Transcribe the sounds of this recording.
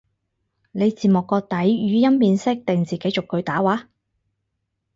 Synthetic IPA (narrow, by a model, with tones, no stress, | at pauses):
ne˨˧jt͡siː˨˩mʊ˨kːɔː˧t̪ɐ˨˥jjyː˨˧jɐ˥mpiː˧nsɪ˥k̚t̪ɪ˨ŋt͡siː˨ke˨˥jt͡sʊ˨kːɵ˨˧ɥt̪aː˨˥waː˨˥